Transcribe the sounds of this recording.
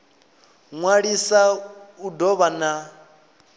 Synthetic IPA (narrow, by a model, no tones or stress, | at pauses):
ŋwaɺisaudɔβana